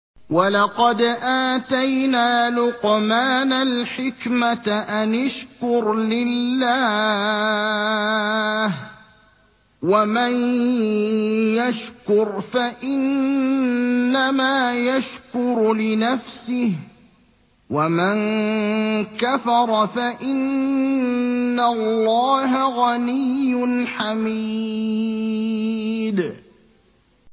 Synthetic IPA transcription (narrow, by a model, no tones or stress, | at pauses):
walɑqɑd̪ʔaːt̪ajnaːlʊqmaːnalħɪkmat̪ʔanaʃkʊɾlɪlːaː | h | waman | jaʃkʊɾfaʔɪn | amaːjaʃkʊɾlɪnafsɪh | waman | kafɑɾˤfaʔɪn | alːɑːɦaɣanɪjːʊnħami | d̪